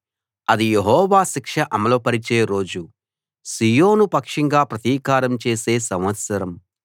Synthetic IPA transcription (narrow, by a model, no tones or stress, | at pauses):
ɐd̪ijeɦɔːʋaːʃikʂɐʔɐmɐloːpɐɾit͡ʃeːɾo̞ːd͡ʒu | sijoːnupɐkʂiŋɡaːpɾɐt̪iːkaːɾɐmt͡ʃe̞ːse̞ːsɐmʋɐt̪sɐɾɐm